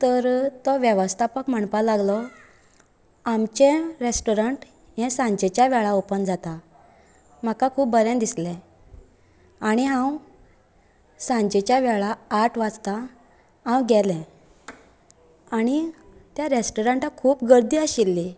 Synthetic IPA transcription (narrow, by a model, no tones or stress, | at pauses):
t̪əɾt̪ɔʋjeʋəst̪ʰapəkm̤əɳpalaɡlɔ | amt͡ɕɛ̃ɾesʈoɾəɳʈ | jɛ̃sãɲd͡ʑɛt͡ɕjaʋɛɭaopənd͡zat̪a | m̤akakʰuːp̚bəɾɛ̃nd̪islɛ̃ | aɽ̃iɦãw | sãɲd͡ʑɛt͡ɕjaʋɛɭaːʈʰʋat͡st̪a | ɦãwɡɛlɛ̃ | aɽ̃it̪jaɾesʈoɾəɳʈakʰuːpɡəɾd̪iːaɕilːi